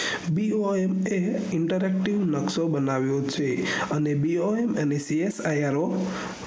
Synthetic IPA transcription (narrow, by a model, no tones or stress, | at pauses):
bioemeiɳʈəɾek̚ʈiʋnəksobənaʋjot͡ʃʰeənebioemənesiesajaɾo